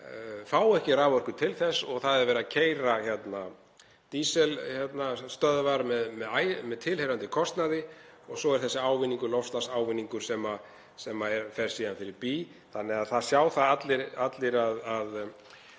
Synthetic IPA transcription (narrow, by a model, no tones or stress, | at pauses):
faːwɛhcɪraːvœr̥kʏt̪ʰɪlθɛsːɔɣθaðɛɾvɛːɾacʰeːjɾaçɛt̪na | t̪iːsɛlçɛt̪nast̪œðvaɾmɛðmɛðajmɛðt̪ʰɪlhejɾant̪ɪkʰɔst̪naðɪɔɣsɔɛɾ̥θɛsːɪaːwvɪnːiŋkʏlɔfst̪lasaːwvɪnːiŋkʏɾ̥sɛma | sɛmaɛɾfɛɾ̥siːðanfɪɾɪɾpiː | θanːɛaðθaðsjaːwθaðat̪lɪɾat̪lɪɾaðað